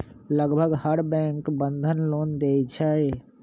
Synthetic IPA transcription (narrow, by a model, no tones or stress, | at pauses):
ləɡbʱəɡhəɾbɛ̃ːŋkbə̃nd̪ʱənloːnd̪eːd͡ʒʰaːe